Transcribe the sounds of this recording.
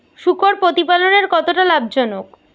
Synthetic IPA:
ʃukoɾpɾot̪ipaloneɾkɔt̪oʈalabd͡ʑɔnok

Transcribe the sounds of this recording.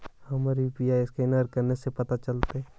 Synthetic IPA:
hɐmaɾipijaɪskeɪnəɾkɐɾnesepɐt̪at͡ʃɐlt̪eɦɛ

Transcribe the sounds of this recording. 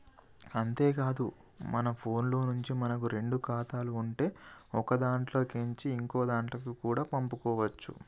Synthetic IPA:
ɐnt̪e̞ːkaːd̪u | mɐnɐpʰo̞ːnlo̞ːnuɲt͡ʃimɐnɐkuɾe̞ɳɖukaːt̪aːluːɳʈe̞ːɔkɐd̪aːɳʈlo̞ːkeɲt͡ʃiːŋkoːd̪aːɳʈlɐkukuːɽaːpɐmpukɔːʋɐt͡ʃːṵ

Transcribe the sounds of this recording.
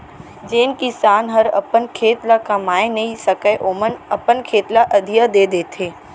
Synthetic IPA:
d͡ʒeːnkisaːnɦɐɾɐ̰pənkʰeːt̪lakamaːẽnɐɦisɐkəeʔoːmənɐpənkʰeːt̪laʔɐd̪ʱijəd̪eːd̪eːt̪ʰeː

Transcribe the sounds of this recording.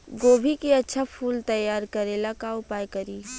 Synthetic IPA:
ɡoːbʱikiɐtːʃʰapʰuːlt̪ɐjːaːɾkɐɾelakaʊpaːjkɐɾiː

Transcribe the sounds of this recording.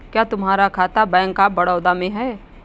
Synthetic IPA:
kjaːt̪ʊmɦaːɾakʰaːt̪abɛ̃ːŋkaːbɐɽɔːd̪amẽɦɛː

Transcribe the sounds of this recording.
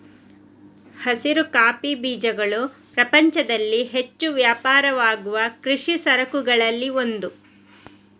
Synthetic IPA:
hɐsiɾukaːpibiːd͡ʒɐɡɐɭupɾɐpɐɲt͡ʃɐd̪ɐlːiɦe̞t͡ʃːuʋjaːpaːɾɐʋaːɡuʋɐkɾiʂisɐɾɐkuɡɐɭɐlːio̞nd̪u

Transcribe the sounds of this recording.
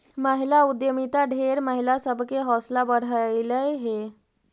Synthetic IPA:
məɦilaud̪jəmit̪aɖʱeɾməɦilasəbʱkeɦɔːslabəɽ̤əjləjɦe

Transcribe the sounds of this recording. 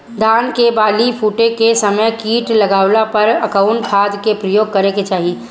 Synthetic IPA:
d̪ʱaːnkebaːlipʰuːʈẽkesɐməjkiːʈlɐɡaːwlapɐɾɐkãʊɳʈpʰaːd̪kepɾəjoːɡ̚kɐɾeket͡ʃaːɦi

